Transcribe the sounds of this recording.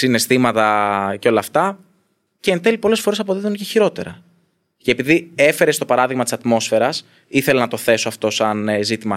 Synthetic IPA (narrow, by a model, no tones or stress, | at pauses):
sine̞st̪imɐt̪ɐceo̞lɐːft̪ɐ | ceːnθe̞lipo̞le̞sfo̞ɾesɐpo̞ðiðunceçiɾo̞t̪e̞̰ɾɐ̰ | ceːpiðie̞fe̞ɾest̪o̞pɐɾɐðiɣmɐt̪isɐt̪mo̞sfe̞ɾɐs | iθe̞lenɐt̪o̞θe̞so̞ɐft̪o̞sɐnzit̪imɐ